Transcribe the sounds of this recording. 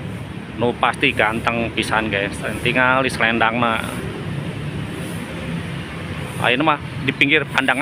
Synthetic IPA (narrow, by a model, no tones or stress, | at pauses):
nupast̪iɡant̪əŋpisanɡasnt̪iŋalisəlɛndaŋna | a̰inəmah | dipiŋɡɪrpandaŋ